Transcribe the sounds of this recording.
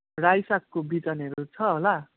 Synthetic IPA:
rajsakːobid͡zʌnɦʌɾut͡sʰʌɦola

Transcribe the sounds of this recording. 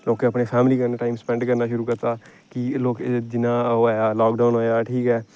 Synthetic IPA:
loːkeəpneːpʰɛːmliːkəɾneʈaːimspɛ̃ːɳɖkəɾnaːʃʊɾuːkəɾt̪aː | kɪloːkd͡ʒɪnãːoːjaːlɔːkɖaːnɦoːjaːʈʰiːkɛː

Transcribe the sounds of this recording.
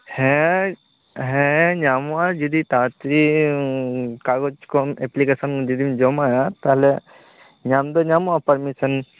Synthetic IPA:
hɛ̃ | ɦẽɲaːmuad͡ʒud̪it̪aːt̪ɾi | kaːɡot͡ʃkomeplikesɐnd͡ʒud̪imd͡ʒomajat̪ale | ɲaːmd̪oɲaːmuapɐɾmisɐn

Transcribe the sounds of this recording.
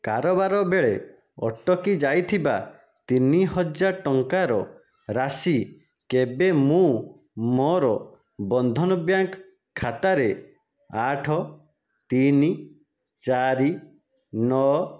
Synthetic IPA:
kaɾɔbaɾɔbeɭe | ɔ̰ʈɔkid͡ʒajt̪ʰiba | t̪iniɦɔd͡ʒaʈɔŋkaɾɔ | ɾasi | kebemũ | mɔɾɔ | bɔnd̪ʱɔnɔbjaŋkʰː | at̪aɾe | aʈʰɔ | t̪ini | t͡ʃaɾi | nɔ

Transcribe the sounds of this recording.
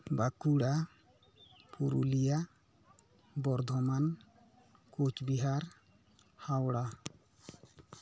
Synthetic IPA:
bakuɽa | puɾṵlija | bɔɾd̪ʱɔman | kot͡ʃbiɦaɾ | hawɽa

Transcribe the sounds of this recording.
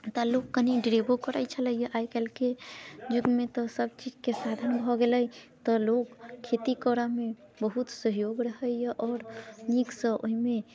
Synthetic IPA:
t̪alokːəniɖɾebokəɾəjt͡ʃʰələjjəʔajkɛlked͡ʒuɡmet̪ɔsəb̚t͡ʃid͡ʒkesad̪ʱənbʱɔɡeləjt̪ɔlokʰːet̪ikɔɾame | bəɦut̪səɦjoɡɾəɦəjjʔɔːɾniksə̃ʔo̰ɦime

